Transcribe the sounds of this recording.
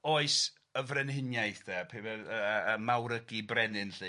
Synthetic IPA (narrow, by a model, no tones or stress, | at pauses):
oːɨs | əvrɛnɦɪnjajθðɛpʰebɛəmawɾəɡibrɛnɨnɬɨ